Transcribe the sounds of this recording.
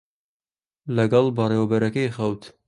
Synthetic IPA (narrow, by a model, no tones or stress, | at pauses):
lɐɡɑlˠbɐreːwɐbɐɾɐkɐjxɐwt̪